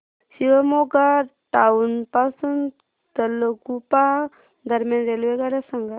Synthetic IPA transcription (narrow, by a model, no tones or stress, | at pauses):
siʋamoɡaʈaunpasun | t̪ələkupa | d̪əɾmjanɾelʋeɡaɾasaŋɡa